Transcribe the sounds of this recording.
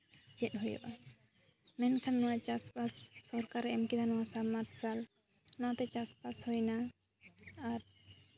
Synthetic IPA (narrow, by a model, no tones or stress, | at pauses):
d͡ʒɛt̪̚ˀɦujɔ̰ʔa | mɛnkʰanːɔwat͡ʃaspasːɔɾkaɾɛɛmkid̪ʰanɔwasamaɾsal | nɔat̪ɛt͡ʃaspashojnaː | ɾ